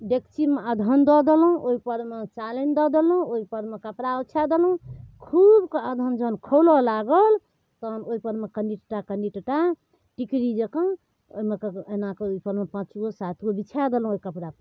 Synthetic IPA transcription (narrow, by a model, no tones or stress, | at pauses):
ɖekt͡ʃinmeəd̪ʱənd̪ɔd̪elũʔoipəɾmet͡ʃalend̪ɔd̪elũoipəɾmekəpɾaut͡ʃʰad̪elũkʰubkəd̪ʱənd͡ʒənkʰolɔlaɡəl | t̪ənoipəɾmekənɖiʈʈakənɖiʈʈa | ʈikɾid͡ʒekə̃n | o̰imekenakeoipəɾmepãt͡ʃɡosat̪ʰɡobit͡ʃʰad̪elɦũoikəpɾap